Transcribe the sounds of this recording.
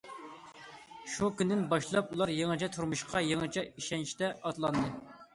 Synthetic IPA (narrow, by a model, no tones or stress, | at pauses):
ʃukʲynd̪ɪnbɑʃlˠɑpulˠɑɾjeŋɨt͡ʃʰɛt̪ʰuɾmuʃqʰɑjeŋɨt͡ʃʰɛiʃɛnt͡ʃʰi̥t̪ɛɑt̪lˠɑnd̪ɨ